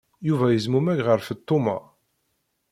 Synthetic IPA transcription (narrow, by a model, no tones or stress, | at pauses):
juvæjəzmumæʝʁəɾfət̪ːʊmɑ̰